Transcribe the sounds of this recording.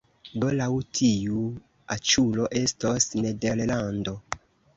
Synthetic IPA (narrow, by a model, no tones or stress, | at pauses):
dolawutʰiu | at͡ʃuloʔestosnedeɾlando